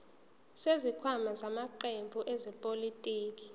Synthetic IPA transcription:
sezikʰwamazamaǃembʱuʔɛzɛpʼolitʼiːk̬ʼi̥

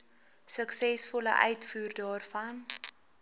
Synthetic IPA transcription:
səksɛsfɔlə̰ʔœɥtfuːrdɑːrfɐn

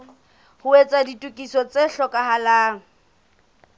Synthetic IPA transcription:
hʊet͡sʼaditʼukʼisɔt͡seɬɔkʼaɦalaːŋ̩

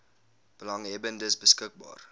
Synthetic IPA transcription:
b̥əlɑŋɦɛbəndəsbəskək̚bɑ̰ːr

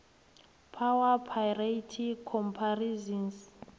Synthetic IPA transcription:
pʰawapʰajratʰikʰɔmpʰarizɔns

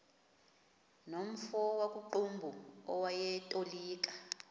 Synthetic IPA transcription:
nom̩fɔwakʼuǃumbʱuɔwajɛtʼoliːk̬ʼḁ

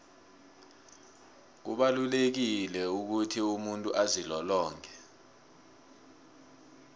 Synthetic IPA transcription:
k̬ṵɓalulek̬ilɛuk̬utʰiumuntʼuʔazilɔlɔːŋkʰɛ

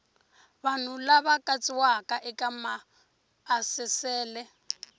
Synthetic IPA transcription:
βan̤ulaβakʼat͡sʼiwakʼaʔɛkamaː | sɛsɛːlɛ

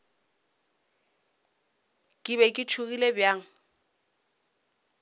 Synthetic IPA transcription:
kʼɪβɛkʼɪt͡ʃʰuɣilebjaːŋ̩

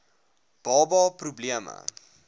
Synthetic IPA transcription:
b̥ɑːbɑːprubliəmə̰

